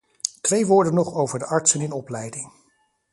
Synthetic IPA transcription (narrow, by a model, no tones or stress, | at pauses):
tʋejʋʊːɹdənːɔχowvəɹdəʔɑɹtsənɪnɔplɛjdɪŋ